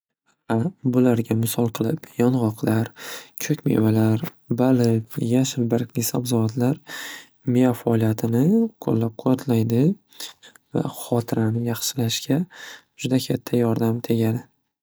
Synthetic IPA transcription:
abʊlaɾɡʲamɪsɒlˠqʰɨlˠɪpjɒnʁɒqʰlaɾkʲʰɵkʲmḛvalaɾ | balɪpjaʃɪlbaɾkʲnɪsabzɒat̪ʰlaɾ | meafaɒːlˠijat̪ʰɪnɪkʰo̰lːap̚qʰʊat̪ʰlajd̪ɪ | va̰χɒt̪ʰɪɾanɪjɑχʃɪlaʃkʲʰa | d͡ʒʊd̪akʲʰat̪ʰːajɒɾd̪amt̪ʰe̞ɡʲad̪ɪ

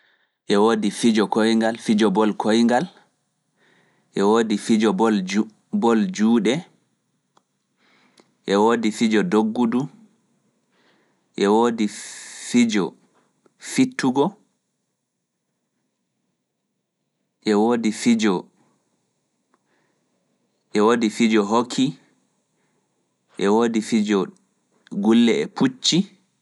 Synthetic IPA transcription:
ʔɛwoːdifid͡ʒɔkojŋɡalfid͡ʒɔbɔlkʰojŋɡal | ʔɛwoːdifid͡ʒɔbɔl | bɔld͡ʒuːɗɛ | ʔɛwoːdifid͡ʒɔdoɡːudu | ʔɛwoːdifid͡ʒɔ̰ | fitʰːuɡɔ | ʔɛwoːdifid͡ʒɔ | ʔɛwoːdifid͡ʒɔɦokʰːi | ʔɛwoːdifid͡ʒɔ | ɡulːɛɛput͡ʃːi

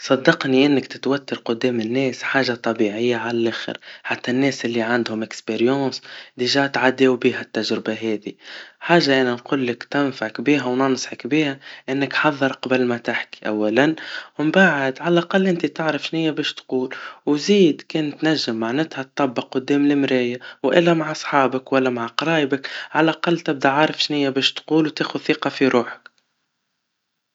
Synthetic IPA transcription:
sˤɑd̪ːɑqniʔɪnːɪkt̪ɪt̪wat̪ːɑɾqʊd̪ːɛːmɪnːɛːsħaːʒat̪ˤːɑbiʕɪjːaʕalælʔæːxə̰ɾħat̪ːanːɛːsʔɪlːiʕand̪hʊmʔɪkspeɾjɑ̃ːsd̪iʒaːt̪ʕad̪ːewbiːɦæt̪ːaʒɾɪbaɦɛːðiħaːʒaʔænænquːlːɪkt̪ɪnfaʕkbiːɦawnɑnsˤħɑkbiːhæʔɪnːɪkħɑðˤːɨɾˤqɑbəlmæt̪ɪħki̥ʔawːælanwɪmbaʕɪd̪ʕalʔaqɑlːʔɪnt̪it̪ɪʕɾɑfʃnɪjːæbɛːʃt̪quːlwziːd̪kɛːnt̪næʒːɪmːaʕnɪt̪hæt̪̚ˤːɑbːɪqːʊd̪ːɛːmlɪmɾɪjawʔɪlːæmaʕʔɑsˤħɑːbəkwælːæmaʕqɑɾˤɑːjbəkʕalʔaqɑlːt̪ɪb̚d̪aʕaʕɾˤɑfʃnɪjːabɛːʃt̪quːlwt̪eːxuθiːqɑfiɾuːħə̥k

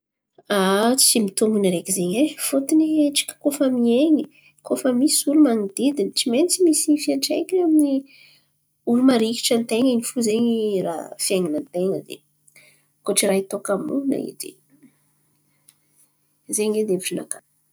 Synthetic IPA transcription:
at͡simit̪umbuniɾekizeɲefut̪inieʈ͡ʂi̥kʲə̥kofəmieɲi | kʰofəmisulumaŋid̪̥id̪init͡simenit͡simisiifiaʈ͡ʂejkamini | ulumaɾiki̥ʈ͡ʂant̪eŋanifuzeɲirafiaŋanənt̪eŋəd̪ḛ | koʈ͡ʂiɾait̪okamṵna̰ḭd̪ḛ | zeɲed̪eeviʈ͡ʂinakan

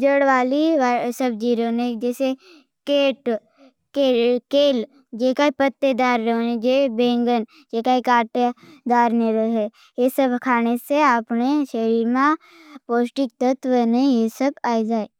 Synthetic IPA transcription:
d͡ʒəɽʋaːliasəbd͡ʒiːɾoned͡ʒɛːse | keːʈ | kekeːl | d͡ʒekaipət̪ːed̪aːɾːəɦoned͡ʒebẽːŋɡən | d͡ʒeːkaikaːʈed̪aːɾneɾəɦe | jesəbʱkʰaːneseaːpneʃəɾiːɾmã | poːsʈɪk̚t̪ət̪wənẽjesəb̚aːid͡ʒaːe

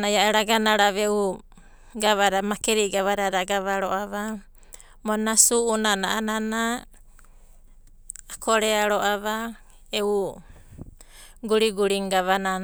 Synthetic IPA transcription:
najaeɾaɡanaɾaβeu | ɡaβaɾamakeɾiɡaβaɾaɾaɡaβaɾoʔaβa | monasuʔunanaanana | kʰoɾeaɾoʔaβa | eu | ɡuɾiɡuɾiŋɡaβana

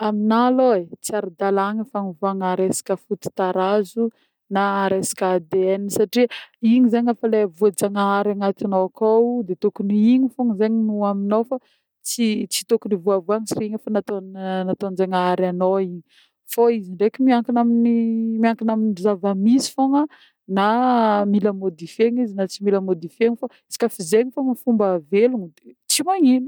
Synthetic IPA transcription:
aminaloet͡siaɾud̪alaŋəfanivuaŋaɾesḁkəfut̪i̥t̪aɾazu | naɾesḁkad̪eenisaʈ͡ʂiiɲizaɲafalevuad͡zaŋaaɾaŋat̪anokawd̪et̪ukuniiɲifoŋzeɲinuaminowfa | t͡sit͡si̥t̪okunivuavuaɲisiriɲafanat̪onnat̪ond͡ʒaŋaaɾanoiɲ | foiziɳɖ͡ʐekimiaŋkinaminimiaŋkinaminizavamizi̥foŋə | namilamod̪ifeɲizinat͡similamod̪ifeɲifḁ | si̥kʲafizeɲifamafumbaveluŋid̪et͡simaɲini̥

